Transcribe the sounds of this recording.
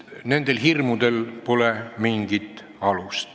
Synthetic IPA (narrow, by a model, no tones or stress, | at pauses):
ne̞nd̪̥e̞lɦirmud̪̥e̞lpo̞lemiŋɡ̥it̪ˑ | ɑlust̪